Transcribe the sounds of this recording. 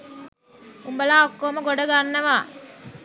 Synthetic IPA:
umbəlaːokːoːmɐɡoɖɐɡanːɐʋaː

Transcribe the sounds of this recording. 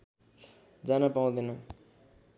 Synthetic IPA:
d͡zanapaũd̪ʌnʌ

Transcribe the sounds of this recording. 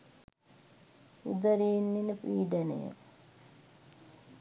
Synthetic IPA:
ud̪əɾinːinəpiːɖɐnḛjə̰

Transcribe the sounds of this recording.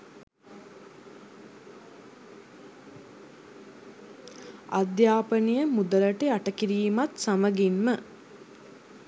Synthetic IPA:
ad̪jaːpənijəmud̪ələʈeaʈəkiɾiːmat̪saməɡimmə

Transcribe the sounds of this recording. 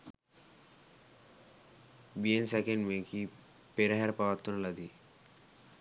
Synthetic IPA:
biensɛkeɳɖmeki | peɾaɦɛɾpaʋat̪ːunlad̪i

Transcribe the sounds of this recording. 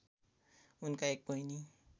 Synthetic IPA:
unkaek̚bʌjni

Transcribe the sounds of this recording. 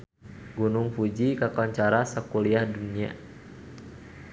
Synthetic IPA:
ɡunʊŋfud͡ʒikakɔɲt͡ʃaɾasakuliahdunia̰

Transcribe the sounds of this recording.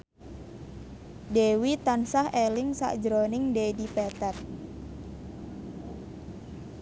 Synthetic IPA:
dewit̪ansahʔelɪŋsa̰ʔd͡ʒɾonɪŋdedipɛt̪ɛt̪̚

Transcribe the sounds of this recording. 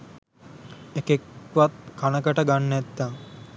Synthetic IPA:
ekekʋat̪̚kʰanəkəʈəɡanːɛt̪ːaŋ

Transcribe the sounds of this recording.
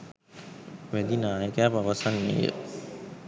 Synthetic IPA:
ʋæd̪inaːjəkaːpaʋasanːḛjə̰

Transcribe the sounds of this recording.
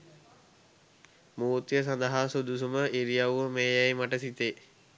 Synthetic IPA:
muːt̪jəs̬and̪əɦasud̪usuməʔiɾijawʋəmeːjæjmaʈəsit̪eː

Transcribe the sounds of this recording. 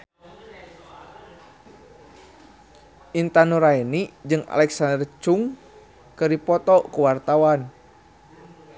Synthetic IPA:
ʔint̪anuɾaɛnid͡ʒɨŋa̰lɛksandərt͡ʃuŋ | kɨɾipɔt̪ɔkuwart̪awan

